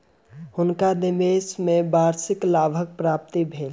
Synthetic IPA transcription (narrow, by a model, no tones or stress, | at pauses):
hʊnkad̪ɪmeːsmẽbaːɾsɪklaːbʱək̚pɾaːp̚t̪ibʱeːl